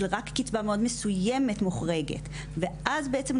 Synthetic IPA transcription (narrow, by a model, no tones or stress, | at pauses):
lʁakːit͡sbameo̞dmesujeme̞tmuχʁeɡḛt | veʔazbeʔet͡se̞m